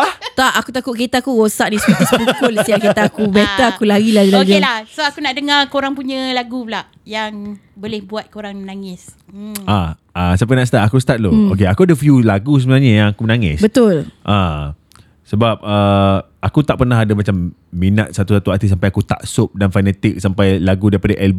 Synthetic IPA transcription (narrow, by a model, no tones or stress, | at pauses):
at̪aʔakut̪akʊʔkit̪aːkuɣosaʔ̚diskit̪ispukulsiaʔkit̪aːkubet̪əakulaɣilahɡilad͡ʒalahsoakunaʔdəŋarkoɾaŋpuɲəlaɡublaʔ | jaŋ | bolɪhbuat̪̚koɾaŋmənaŋɪs | a | asampajnaʔst̪aʔ̪akust̪at̪̚look̬eakuadəfjulaɡus̬əbənaɲəjãŋakumənaŋɪ̰sbət̪ʊlʔã | səbap̚ə | akut̪aʔpərnaɦadamat͡ʃamːina̰t̪̚sat̪usat̪uat̪isampajakut̪a̰ʔsop̚danfanɛt̪ɪk̚sampajlaɡudaɾipadaʔɛlb